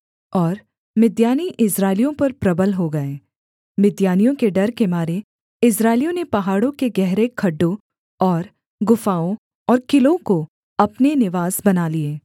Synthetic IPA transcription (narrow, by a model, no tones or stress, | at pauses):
ɔːɾ | mɪd̪jaːniʔɪsɾaːɪlijõpɐɾpɾɐbəlɦoɡɐeː | mɪd̪jaːnijõkeɖɐɾkemaːɾe | ɪsɾaːɪlijõnepɐɦaːɽõkeɡɛɦɾekʰɐɖːõ | ɔːɾ | ɡʊfaːõ | ɔːɾkɪlõko | ɐpnenɪʋaːzbɐnaːlieː